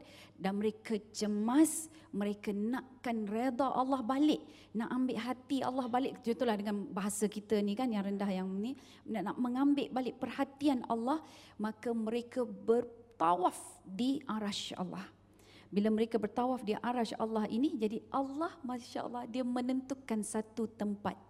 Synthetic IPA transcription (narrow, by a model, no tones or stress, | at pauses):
danməɾekat͡ʃəmasməɾekənaʔkanred̪aʔa̰lːɑhbalɪʔ | naʔambɪʔɦat̪ia̰lːɑhbalɪʔd͡ʒut̪ulahdəŋanbaɦasakit̪ənikanjaŋɾəndahjaŋni | nanaʔməŋambɪʔbalɪʔpərhat̪iana̰lːɑhmakəməɾekəbərt̪awafdiʔaɾaʃɑ̰lːɑ̰h | bilaməɾekabərt̪awafdiʔaɾaʃa̰lːɑhinid͡ʒadiʔɑlːɑhmaʃa̰ʔə̰lːɑhdiamə̃nənt̪ukːansat̪ut̪əmpa̰t̪̚